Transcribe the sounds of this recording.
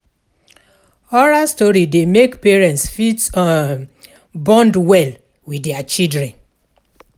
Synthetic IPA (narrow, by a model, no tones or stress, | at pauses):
ɔɹastɔɹidemekpɛɹɛ̃ntsfitɔn | bɔ̃ndwɛl | widɛat͡ʃidɹɛ̃n